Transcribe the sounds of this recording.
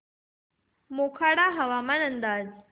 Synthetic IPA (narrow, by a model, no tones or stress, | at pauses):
mokʰaɽaɦəʋamanənd̪aːd͡z